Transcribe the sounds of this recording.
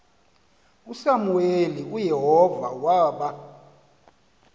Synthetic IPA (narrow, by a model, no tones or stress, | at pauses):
usamuweliujeɦɔvawaːɓa